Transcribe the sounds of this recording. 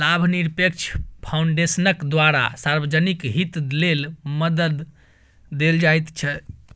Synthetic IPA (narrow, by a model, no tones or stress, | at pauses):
labʱniɾpek̚t͡ʃʰpʰauɳɖesənəkd̪ʋaɾa̰saɾbəd͡ʒənikɦit̪lelməd̪əd̪ː | eld͡ʒajt̪t͡ʃʰɛ